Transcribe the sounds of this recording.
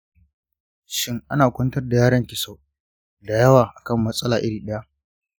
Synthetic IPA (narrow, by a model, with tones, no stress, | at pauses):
ʃɪ˦ŋʔa˦naː˨kʷɔ˦ntɐ˦rda˨jaː˦ɽɐ˦ŋkʲɪ˨sa˦w | da˨jɐ˦waː˨ʔa˨kɐ˦˨mːɐ˦sʼɐ˦laː˨ʔɪ˦ɽiː˨ɗɐ˦ja˦ʔ